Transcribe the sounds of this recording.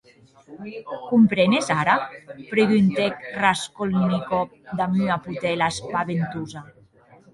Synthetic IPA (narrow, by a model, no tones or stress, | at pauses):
kumpɾenezaɾapɾeɣynt̪ekraskolnikɔk̚d̪amyaput̪ɛlaspaβent̪uza